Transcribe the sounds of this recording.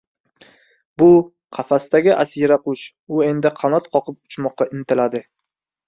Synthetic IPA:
bʊ | qʰɑfast̪aɡʲɪʔasiɾaqʊʃ | ʊe̞nd̪ɪqʰɑnɒt̪qʰɒqʰɨp̚ʊt͡ʃmɒqːɑʔɪnt̪ʰɪlad̪ɪ

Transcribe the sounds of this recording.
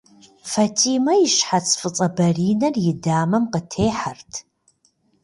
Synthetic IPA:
fatʰiːmɐjiʃħat͡sʰʼfɨt͡sʼɐbɐriːnɐrjɪdaːmɐmqətʰeːħartʰ

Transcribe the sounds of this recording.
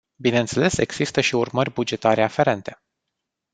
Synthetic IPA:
bineɨnt̪se̞le̞se̞ɡz̥ist̪əʃiurmərʲbud͡ʒe̞t̪aɾe̞afe̞ɾe̞nt̪e̞

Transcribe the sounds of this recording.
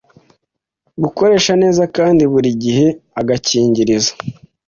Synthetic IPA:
ɡuko̞ɾe̞ːʃane̞ːzakaːndiβuɾiɟihe̞aɡaciːɲɟiɾizḁ

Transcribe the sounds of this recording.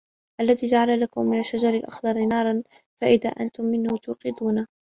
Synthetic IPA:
ʔalːaðiːd͡ʒaʕalalakʊmːɪnaʃːad͡ʒɑɾˤɪlʔɑ̰xd̪ˤɑɾˤnɑːɾˤɑn | faʔɪða̰ːʔant̪ʊmːɪnhʊt̪ʊːqɪd̪uːna

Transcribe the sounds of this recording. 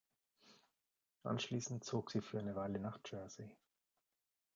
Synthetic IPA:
ʔa̰nʃliːsn̩t̚t͡soːkz̥iːfyːaɪnəvaɪlənaːχd͡ʒœɐzi

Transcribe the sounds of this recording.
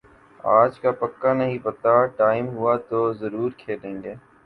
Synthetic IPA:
a̰ːd͡ʒkaːpəkːaːnəɦĩːpət̪aːʈaːɪmɦʊaːt̪oːzəɾuːɾkʰeːɗẽːŋɡeː

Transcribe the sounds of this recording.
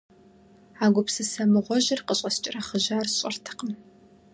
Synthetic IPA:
aːɡʷʊpsɨsɐmɨʁʷɔʑɪrqəɕʼɐst͡ʃʼɪrɐχəʑaːrɕʼɪrtʰɨ̥qəm

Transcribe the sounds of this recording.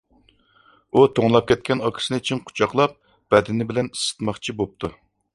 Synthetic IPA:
ut̪ʰoŋlˠɑp̚kʲʰɛt̪̚kʲɛnɑkʲʰi̥sɨnɨyt͡ʃʰinqʰʊ̥t͡ʃʰɑqlˠɑp̚ | b̥ɛd̪ɪnɪbɪlɛnisɨ̥t̪mɑχt͡ʃʰibop̚t̪ʰu

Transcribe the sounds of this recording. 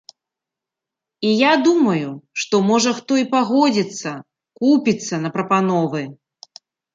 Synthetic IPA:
ijad̪umɐjuʂt̪ɔmɔʐɐxt̪ɔipaɣɔd͡zʲit̪sːɐ | kupʲit̪sːɐnɐpɾɐpanɔvɨ

